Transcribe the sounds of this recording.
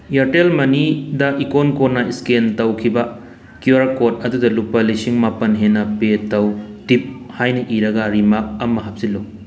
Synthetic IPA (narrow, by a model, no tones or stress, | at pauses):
jɐɾtelmɐnidɐʔikonkonɐiskentɐwkʰibɐ | kjuɾakot̚ɐdudɐlupːɐlisiŋmapɐnɦenːɐpetɐwtip̚hajnɐʔiɾɐɡɐɾimak̚ɐmɐɦɐp̚silːo